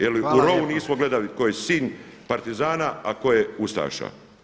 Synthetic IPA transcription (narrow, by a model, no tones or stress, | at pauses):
jeliuɾo̞uniːsmoɡle̞d̪aʋikojesiːɲ | paɾt̪izaːnaako̞jeust̪a̰ːʃa̰